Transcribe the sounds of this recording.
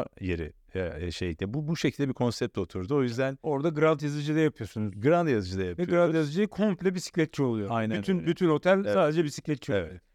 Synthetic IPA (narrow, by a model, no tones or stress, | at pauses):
jeɾɪ̰ | ɛɛʃḛjd̪ɛbubuʃecʰilʲd̪ɛbiɾkʰo̞nsɛp̚t̪o̞t̪ʰuɾd̪uo̞jyzd̪æno̞ɾd̪aɡɯɾalˠt̪jazɯd͡ʒɯd̪ajapʰɯjosunuzɡɯɾand̪jazɯd͡ʒɯd̪ajapvɛɡɯɾalˠt̪jazɯd͡ʒɯjɯkʰo̞mplʲɛbisi̥clʲɛt̪̚t͡ʃʰio̞lˠujoajnænt̪ʰynbyt̪ʰyno̞t̪ʰælʲsaːd̪ed͡ʒɛbisi̥clʲɛt̪t͡ʃʰievɛ̰t̪